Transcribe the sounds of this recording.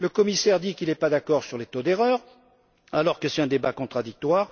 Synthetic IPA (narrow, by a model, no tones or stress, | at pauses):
ləkɔmisɛʁd̪ikilɛpad̪akɔʁsyʁlet̪od̪eʁœːʁ | alɔʁkəsɛt̪ɛ̃d̪ebakɔ̃t̪χad̪ik̚t̪waːʁ